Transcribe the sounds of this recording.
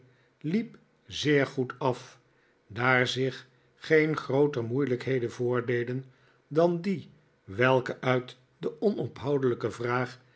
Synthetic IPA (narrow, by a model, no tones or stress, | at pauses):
lip | zɪːɹχutɑf | daːɹzɪχ | χejnχrowtəɹmujləkɦejdənvʊːɹdejdən | dɑndi | ʋɛlˠkəʔœɥt | dəʔɔnɔpɦɑwdələkəvraːχ